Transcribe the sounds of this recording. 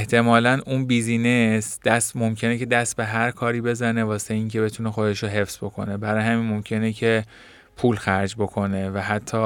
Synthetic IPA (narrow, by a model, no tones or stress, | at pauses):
eht̪ʰe̞mɒːlænunbiːzinesd̪̥æst̪mo̞mcʰe̞nece̞d̪æst̪̚be̞ɦæɾkʰɒːɾiːbe̞zæne̞vɒːseiːŋcʰe̞be̞t̪ʰunexo̞d̪e̞ʃɾoɦe̞fsbo̞kʰo̞̰ne̞bæɾɒːjhæmiːnmo̞mcʰe̞necʰe | pʰuːlxæɾd͡ʒbo̞kʰo̞ne̞væɦæt̪ʰːɒː